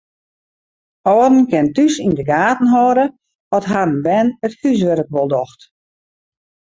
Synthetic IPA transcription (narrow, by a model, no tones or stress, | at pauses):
ɔːdn̩kɪntysindəɡaːtn̩ɦɔːɾə | ɔtɦarənbɛnəthys̬ʋəɾək̚ʋɔlˠdɔxt